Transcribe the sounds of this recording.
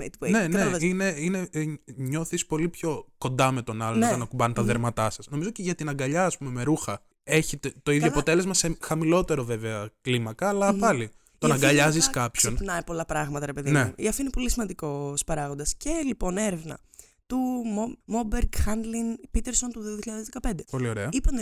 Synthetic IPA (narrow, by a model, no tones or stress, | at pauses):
et̪ne̞neine̞ine̞ɲo̞θispo̞lipço̞ko̞nd̪ɐme̞t̪o̞nɐlont̪ɐnɐkubɐnt̪ɐðeɾmɐt̪ɐsɐsno̞mizoceʝɐt̪inɐŋɡɐʎɐːspume̞me̞ɾuxɐ | e̞çit̪et̪o̞iðjoɐpo̞t̪e̞lezmɐse̞xɐmilo̞t̪e̞ɾo̞ve̞veɐklimɐkɐːlɐpɐli | t̪onɐɡɐɐʎɐziskɐpçonnɐjpo̞lɐpɾɐɣmɐt̪ɐɾe̞pe̞ðineṵiɐft̪inepo̞lisimɐnd̪iko̞spɐɾɐɣo̞nd̪ɐscelipo̞ne̞ɾevnɐ̰ | t̪umomobeɾɡxɐnd̪linpit̪eɾso̞nt̪uðiðiçiʎɐðezðekɐpe̞nd̪epolio̞ɾeɐipɐn